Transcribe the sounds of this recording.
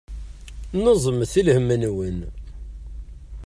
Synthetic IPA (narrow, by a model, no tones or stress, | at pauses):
nəzˤəmθilhəmːənwən